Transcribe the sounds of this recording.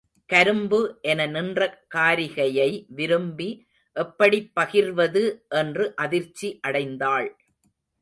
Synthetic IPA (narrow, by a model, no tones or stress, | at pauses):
kɐɾɯmbɯʔɛnɐnɪndrɐkaːɾɪɣɐjɐɪʋɪɾɯmbi | ʔɛpːɐɽipːɐɣɪɾʋɐðɯʔɛndrɯʔɐðɪɾt͡ʃːiʔɐɽɐɪnd̪aːɭ